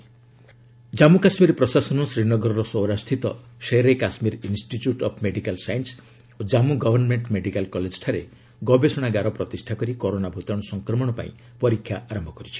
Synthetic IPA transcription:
d͡ʒamukasmiɾpɾɔsasɔnɔsɾinɔɡɔɾɔɾɔsɔwɾast̪ʰit̪ɔʃeɾekasmiɾinsʈit͡ʃjuʈɔpʰmeɖikalsajins | od͡ʒamuɡɔbʱɔɾnmeɳʈmeɖikalkɔled͡ʒɔ̥ʈʰaɾe | ɡɔbesɔɽ̃aɡaɾɔpɾɔt̪isʈʰakɔɾikoɾonabʱut̪ɔɽ̃ɔsɔŋkɾɔmɔɽ̃ɔpa̰ḭ̃ | pɔɾikʰːjaʔaɾɔmbʱɔkɔɾit͡ʃʰi̥

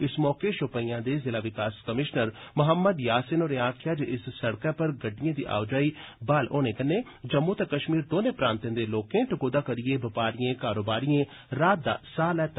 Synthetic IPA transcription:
ɪsmɔːkeʃʊpəijãːd̪eːzɪlaːʋɪkaːskəmɪʃnəɾmʊɦəmːəd̪jaːsɪnoːɾeaːkʰjaːd͡ʒeʔɪssəɽkãːpəɾɡəɖːijãːd̪ḭːʔa̰ːʋd͡ʒaːiːbaːlʔo̰ːneːkənːeː | d͡ʒəmːuːt̪ekəʃmiːɾd̪oːnẽːpɾãːnt̪ẽːd̪eːloːkẽːʈɪkoːd̪aːkəɾɪjeːbɪpaːɾijẽːkaːɾoːbaːɾijẽː | ɾaːt̪̚d̪a̰ːsaːlɛːt̪

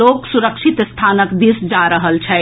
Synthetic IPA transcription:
oːksuɾəkʃʰit̪st̪ʰaːnəkd̪isd͡ʒaɾəɦəlt͡ʃʰɛ

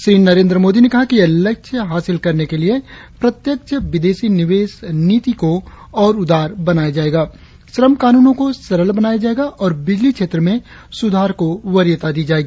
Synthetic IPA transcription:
ʃɾiːnɐɾẽːnd̪ɾəmoːd̪inekɐɦakijelɐkʃʰəɦaːsɪlkɐɾnekeliepɾɐt̪jəkʃʰəʋɪd̪eːsinɪʋeːsniːt̪iko | ɔːɾʊd̪ʱaːɾbɐnaːjad͡ʒaːeːɡaː | sɾəmkaːnuːnõkosɐɾəlbɐnaːjad͡ʒaːeːɡaʔɔːɾbɪd͡ʒlikʃʰeːt̪ɾəmẽ | sʊd̪ʱaːɾkoʋɐɾjət̪ad̪iːd͡ʒaːeːɡiː

